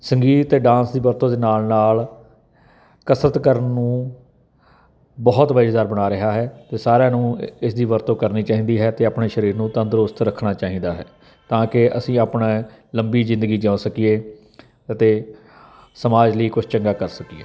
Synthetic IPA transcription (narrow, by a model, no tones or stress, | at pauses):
səŋɡiːt̪t̪ːeːɖãːnsd̪iːbəɾt̪õːd̪eːnaːlnaːl | kəsɾət̪kəɾənːũː | bɔːt̪ʋəːʃd̪aːɾbəɽ̃aːɾɪɦaːɦɛːt̪eːsaːɾãːnũːɪsd̪iːʋəɾt̪õːkəɾniːt͡ʃaːɦĩːd̪iːɦɛːt̪eːaːpɳeːʃəɾiːɾnũːt̪ə̃nd̪əɾʊst̪ɾəkʰnaːt͡ʃaːɦĩːnd̪aːɦɛː | t̪ãːkɪʔə̰sĩːaːpɳa | ləmbiːzɪ̃nd̪əɡiːd͡ʒãːõsəkieː | ət̪eː | səmaːd͡ʒləiːkʊt͡ʃʰt͡ʃəŋɡaːkəɾsəkieː